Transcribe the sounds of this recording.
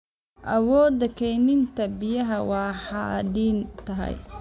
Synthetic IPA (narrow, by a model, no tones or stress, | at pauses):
ʔɐwɔːd̪ɐkʰɛjnɪnt̪ʰɐbɪjɐɦɐwɑːħɑd̪iːnt̪ʰɐɦɛ̰j